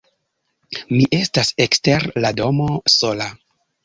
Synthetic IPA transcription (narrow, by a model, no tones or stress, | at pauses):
miʔe̞stasekste̞ɾlado̞mo̞so̞la